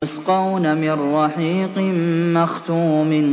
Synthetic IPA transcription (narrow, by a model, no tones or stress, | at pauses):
ʊsqɑwnamɪrːɑħiːqmaxt̪uːmɪn